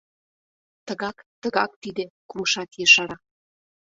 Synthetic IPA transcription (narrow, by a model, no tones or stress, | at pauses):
t̪əɣɑkt̪əɣɑk̚t̪id̪ekuməʃɑt̪jeʃɑɾɑ